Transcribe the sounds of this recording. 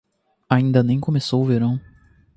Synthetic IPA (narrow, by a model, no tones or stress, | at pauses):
aĩnd̪ɐnẽj̃komesowʊveɾɐ̃w̃